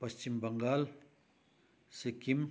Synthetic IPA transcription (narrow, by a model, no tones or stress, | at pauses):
pɐst͡ʃimbɐŋɡaːl | sekim